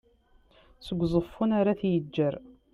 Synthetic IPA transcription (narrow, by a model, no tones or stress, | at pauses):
səɡʷzˤəfːunaɾaθjəd͡ʒːəɾ